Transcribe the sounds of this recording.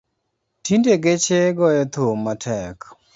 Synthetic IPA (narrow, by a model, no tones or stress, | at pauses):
tindeɡet͡ʃeɡɔjɛt̪omːatʰɛk